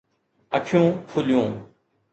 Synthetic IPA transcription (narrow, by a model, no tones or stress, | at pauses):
ɐʈʰjõːfʰʊljõː